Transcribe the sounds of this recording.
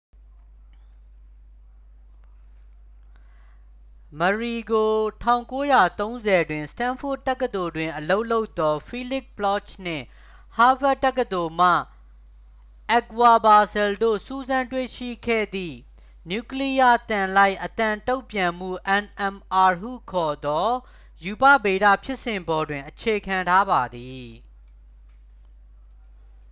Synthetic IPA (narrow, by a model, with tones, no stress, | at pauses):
məɹi˨ɡo˨tʰã˦˨ʊ̃ŋko˦ja˨t̪õ˦ʊ̃nzɛ˨dwɪ̃˨stã˦nfo˦˨tɛ˦kːət̪o˨dwɪ̃˨ʔəlo˦ʊʔlo˦ʊt̪ːɔ˦fʰi˦lɪ˦blɔ˦˨t͡ʃn̥ɪ̰̃˦˨ | ha˦ba˦tːɛ˦kːə˨t̪o˨m̥ä̰˦˨ | ʔɛ˨kwa˨ba˨sɛ˨ldo̰˦˨su˦zã˦ntwe˦˨ʃḭ˦˨kʰɛ̰˦˨d̪ðḭ˦˨ | nju˦˨kli˦ja˦t̪ã˨la˦ɪʔət̪ã˨to˦ʊ̃pjã˨m̥ṵ˦˨ʔɛ̃˨nʔɛ̃˨mʔa˨ɹɦṵ˦˨kʰɔ˨d̪ɔ˦ | ju˨pä̰˦˨be˨ɾä̰˦˨pʰjɪ˦ʔsɪ̃˨mbɔ˨dwɪ̃˨ʔət͡ɕʰe˨kʰã˨ntʰa˦ba˨d̪i˨